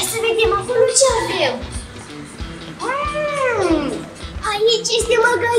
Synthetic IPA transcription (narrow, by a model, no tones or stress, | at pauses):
səve̞d̪e̞mako̞lot͡ʃeaɡem | a | ait͡ʃʲje̞st̪euaɡa